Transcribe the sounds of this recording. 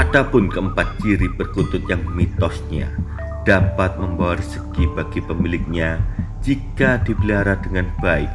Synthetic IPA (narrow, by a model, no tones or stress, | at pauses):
ʔadapʊnkəəmpat̪̚t͡ʃiɾibərkut̪ʊt̪̚jaŋmit̪ɔsɲa̰ | d̥apat̪̚məmbawaɾəsəɡ̥ibaɡ̥ipəmilɪk̚ɲad͡ʒikadibəliɦaɾahdəŋanb̥aɪk̚